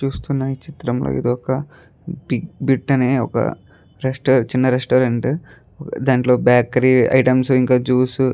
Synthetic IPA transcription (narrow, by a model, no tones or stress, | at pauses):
t͡ʃuːst̪unːɐːjit͡ʃit̪ɾɐmlo̰ːḭd̪iɔkɐ | biɡ̚biʈːɐne̞ːɔ̰kɐ̰ | ɾesʈoːɾt͡ʃinːɐɾesʈoːɾeɳʈ | ɔkd̪aːɳʈlo̞ːbaːkɐɾiɐ̰jʈɐmsuiŋkaːt͡ʃuːsu